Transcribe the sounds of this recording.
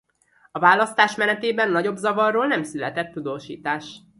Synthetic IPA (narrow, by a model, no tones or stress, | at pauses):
ɒvaːlːɒst̪aːʃmɛnɛt̪eːbɛnːɒɟo̞bzɒvɒrːoːlnɛmsylɛt̪ɛt̪ːud̪oːʃḭːt̪aːʃ